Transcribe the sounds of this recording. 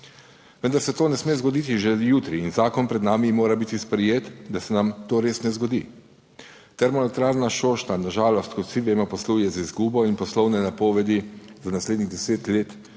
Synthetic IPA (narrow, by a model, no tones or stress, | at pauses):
ʋənd̪aɾsɛt̪oːnɛsmeːzɡɔd̪it̪iʒɛjuːt̪ɾiːnzaːkɔnpɾɛd̪naːmimoːɾabit̪ispɾɛjeːt̪d̪asɛnamt̪oːɾeːsnɛzɡɔd̪ḭ | t̪ɛɾmɔnɔt̪ɾaːɾnaʃoːʃt̪anaʒaːlɔst̪kɔt̪siʋeːmɔpɔsluːjɛzizɡuːbɔinpɔslɔwnɛnapɔːʋɛd̪izanasleːd̪niɣd̪ɛseːt̪leːt̪